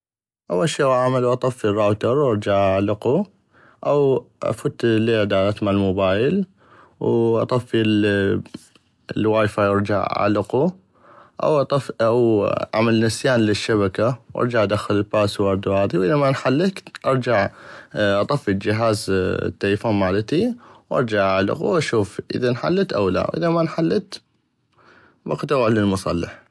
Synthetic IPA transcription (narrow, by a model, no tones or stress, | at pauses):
ʔawːalʃiːwʕaʕmaluʔɑt̪ˤɑfːirˤːɑːwt̪ɑɾˤwʔɑɾˤd͡ʒaʕʔlɪqu | ʔawʔa̰fut̪leːʕd̪aːlat̪malmʊbaːjɪl | wʔɑ̰t̪ˤɑfːil | lwaːjfajɑɾˤd͡ʒa̰ʕa̰lɪqu | ʔa̰wʔt̪ˤawʔa̰malnɪsjaːnlɪʃːaβakawʔɑ̰ɾˤd͡ʒaʕʔad̪axɪlɪlbaːswɑɾˤd̪uhaːðiwʔɪðamanħalːɪkʔɑɾˤd͡ʒaʕʔɑt̪ˤɑfːild͡ʒɪɦaːz̰t̪ːalfoːnmaːlɪt̪iwʔɑ̰ɾˤd͡ʒaʕʔaʕlɪ̰quwʔaʃuːfʔɪ̰ðanħa̰lːt̪ʔa̰wla̰wʔɪ̰ðamanħalːɪt̪ | bɑqt̪awalɪlmʊsˤɑ̰lːɪ̰ħ